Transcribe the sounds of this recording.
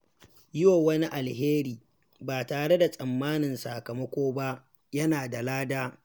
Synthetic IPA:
jɪ˦woː˨wɐ˦ni˦ʔa˨lɦeː˦ɾiː˨ | baː˨taː˨ɽe˦da˨sʼɐ˨mːaː˦nɪ˨nsaː˨kɐ˨mɐ˦kʷoː˦ba˦ʔ | jɐ˦naː˨da˨laː˦daː˦

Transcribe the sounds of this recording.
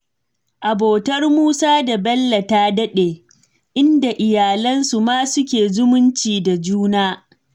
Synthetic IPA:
ʔa˨boː˨tɐ˦rmuː˦saː˦da˨bɐ˦lːɐ˨taː˦dɐ˦ɗeː˨ | ʔɪ˦nda˨ʔɪ˨jaː˨lɐ˦nsu˨maː˦sʊ˦kʲeː˨zʊ˦mʊ˦nt͡ʃiː˨da˨d͡ʒuː˦naː˦

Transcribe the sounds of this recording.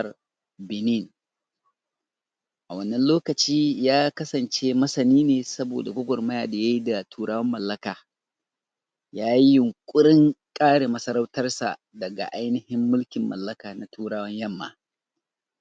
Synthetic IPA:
r | bɪ˨ni˦˨n | ʔa˨wɐ˦nːɐ˦nloː˦kɐ˨t͡ʃiː˦jaː˦kɐ˦sɐ˨nt͡ʃeː˦mɐ˦sɐ˨niː˦neː˨sɐ˦bo̰ː˨da˨ɡʷʊ˦ɡʷɔ˨rmɐ˦jaː˨da˨ja˦ji˦da˨tʰuː˦ɽaː˦wɐ˦mːɐ˨lːɐ˦kaː˨ | jaː˦ji˦jʊ˨ŋkʷʼʊ˦ɽɪ˦ŋkʼaː˦ɽe˨mɐ˦sɐ˦ɾa˦wtɐ˦rsa̰˨ | dɐ˨ɡa̰˨ʔa˦jnɪ˦hɪ˦mːʊ˦lkʲɪ˨mːɐ̰˨lːɐ˦kaː˨na˨tʰuː˦ɾaː˦wɐ˦ɲjɐ˦˨mːa̰ː˨

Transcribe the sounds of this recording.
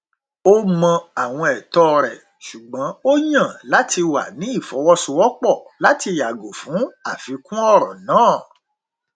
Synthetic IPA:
o˦mɔ̃˧a˨w̃ɔ̃˧ɛ˨tɔ˦˧ɾɛ˨ | ʃu˨ɡ͡bã˨˦o˦jã˦˨la˦ti˧wa̰˨nĩ˨˦i˦˨fɔ˨˦wɔ˦sũ˧˦wɔ˦k͡pɔ˦˨la˨˦ti˧ja˨ɡo˨fũ˨˦a˨fi˨˧˦kũ˦ɔ˦˨ɾɔ̰̃˨nãː˦˨

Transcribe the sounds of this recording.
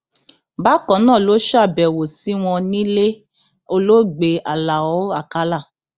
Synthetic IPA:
ba˦kɔ̃˨˦nãː˦˨lo˨˦ʃa˦˨bɛ˨wo˨si˨˦w̃ɔ̃˧nĩ˦le˦ | o˧lo˦ɡ͡be˨˦a˨la˨ɔ˨˦a˦˨ka˦la˦˨

